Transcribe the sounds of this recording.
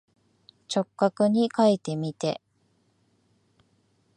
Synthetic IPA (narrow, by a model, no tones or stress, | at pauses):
t͡ɕo̞kːakɯ̟ɲ̟ikait̪e̞mʲit̪e̞̰